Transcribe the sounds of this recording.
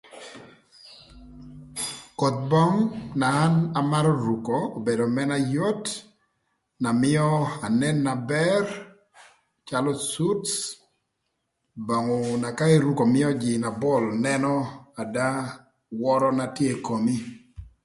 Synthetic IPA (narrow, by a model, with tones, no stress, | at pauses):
kɔ˨t̪̚bɔ˦ŋnaː˨˦na˨ma˦ɾɔ˦ɾu˨koː˨be˨do˨mɛ˦na˦jo˦t | na˨mɪ˦ɔ˦a˨nɛ˦nːa˨bɛ˦r | t͡ʃa˦lɔ˦su˦ts | ba˨ŋɔ˨na˨ka˦e˦ɾu˦ko˨mɪ˦ɔ˦d͡ʒɪ˨na˨bɔ˦˨lnɛ˦nɔ˦a˨da˦ | wɔ˦ɾɔ˦na˨tje˦˨ko˨mi˦